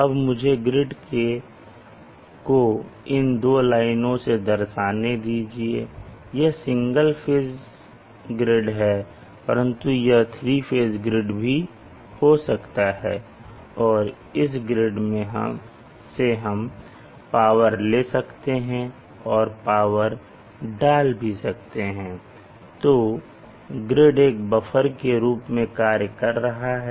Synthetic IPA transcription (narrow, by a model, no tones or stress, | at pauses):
ɐbmʊd͡ʒʱeɡɾɪɖke | koɪnd̪oːlaːɪnõsed̪ɐɾʃaːned̪iːd͡ʒiḛjɛɦsɪ̃ŋɡəlfʰeːz | ɡɾɪɖɦɛː | pɐɾə̃nt̪ujeɦt̪ʰɾiːfʰeːzɡɾɪɖbʱi | hosɐkt̪aɦɛ̰ː | ɔːɾ | ɪs̬ɡɾɪɖmẽɦ | seɦɐm | paːʋəɾleːsɐkt̪eɦɛ̃ | ɔːɾpaːʋəɾ | ɖaːlbʱisɐk̚t̪eɦɛ̃ː | t̪oː | ɡɾɪɖeːkbɐfʰəɾkeɾuːpmẽkaːɾjəkɐɾːɐɦaɦɛ